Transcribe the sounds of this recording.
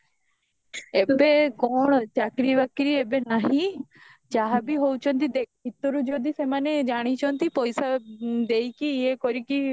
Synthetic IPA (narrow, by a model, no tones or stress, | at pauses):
ebekɔɳ̃t͡ʃakɾiʋakɾiebenaɦĩ | t͡ʃaɦabiɦowt͡ʃʰɔnt̪id̪ekʰbʱit̪ɔɾud͡ʒɔd̪isemaned͡ʒaɽ̃it͡ʃʰɔnt̪ipɔjsad̪ejkiːekɔɾiki